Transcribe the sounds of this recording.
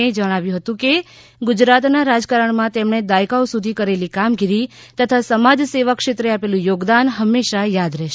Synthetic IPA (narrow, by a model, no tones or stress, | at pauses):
ed͡ʒəɽ̃aʋjũɦət̪ũke | ɡʊd͡ʒɾat̪naɾad͡ʒkaɾəɳmãt̪emɳed̪ajkaosud̪ʱikəɾelikamɡiɾi | t̪ət̪ʰasəmad͡ʒseʋəkʃet̪ɾeapelũjoɡd̪anɦəmːeʃajad̪ɾɛʃ